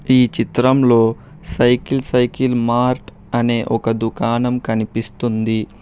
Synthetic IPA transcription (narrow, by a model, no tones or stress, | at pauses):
iːt͡ʃit̪ɾɐmlo̞ː | sɐjkilsɐjkilmaːɾʈ | ɐne̞ːʔɔkɐd̪ukaːnɐmkɐnipist̪und̪i